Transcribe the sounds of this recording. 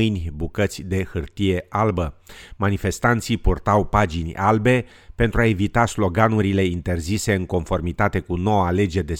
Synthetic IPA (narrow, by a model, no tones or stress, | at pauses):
ɨjnʲbukət̪sʲd̪e̞xɨrt̪ije̞ʔalbəmanife̞st̪an̪t̪sijpurt̪awpad͡ʒinʲalbe̞ | pe̞nt̪ɾuae̞vit̪aslo̞ɡanuɾile̞int̪e̞rzise̞ɨŋko̞nfo̞rmit̪at̪e̞kuno̞wale̞d͡ʒe̞d̪e̞